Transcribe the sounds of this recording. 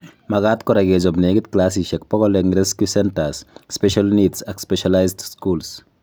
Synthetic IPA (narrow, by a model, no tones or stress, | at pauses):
maɡat̪kɔɾaɡed͡ʒɔbneɡit̪̚klas̬iʃɛk̚pɔɡɔleŋɾeskusɛntasspɛʃalnitsakspɛʃalajsdskuls